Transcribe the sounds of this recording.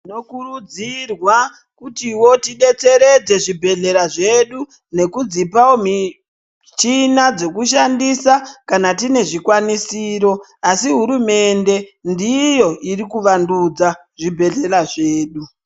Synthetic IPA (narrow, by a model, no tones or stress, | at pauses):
ino̞kurud͡zirwa | kutiwo̞tiɗe̞t͡se̞ɾe̞d͡ze̞ʐibʱe̞ɮe̞ɾaʐe̞ɗu | ne̞kud͡zipawomi | t͡ʃinad͡zo̞kuʃ̬andisakanatine̞ʐikwanisiːɾo̞ | asiɦuɾume̞nde̞ndijo̞irikuʋandud͡za | ʐibʱe̞ɮe̞ɾaʐe̞ːɗu